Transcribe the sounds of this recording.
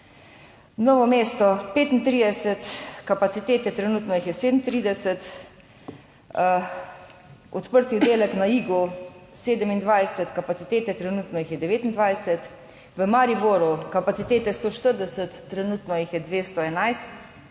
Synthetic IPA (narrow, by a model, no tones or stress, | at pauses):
nɔːʋɔmeːst̪ɔpeːt̪int̪ɾiːd̪ɛsɛt̪kapat̪sit̪eːt̪ɛt̪ɾɛnuːt̪nɔjixjɛseːd̪n̩t̪ɾiːd̪ɛsɛt̪ | ɔt̪pəɾt̪iwd̪eːlɛknaiːɡuseːd̪əmind̪ʋajsɛt̪kapat̪sit̪eːt̪ɛt̪ɾɛnuːt̪nɔjixjɛd̪ɛʋeːt̪ind̪ʋajsɛt̪ | ʋəmaɾiboːɾukapatsit̪eːt̪ɛst̪oːʃt̪əɾd̪ɛsət̪ːɾɛnuːt̪nɔjixjɛd̪ʋeːst̪ɔɛnajst̪